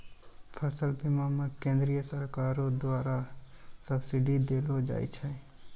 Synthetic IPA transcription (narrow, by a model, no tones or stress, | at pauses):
pʰəsəlpimamẽkẽːnd̪ɾijəsəɾkaːɾõd̪waːɾasəbsiɖid̪eːlod͡ʒa̰ːḭt͡ʃʰɛ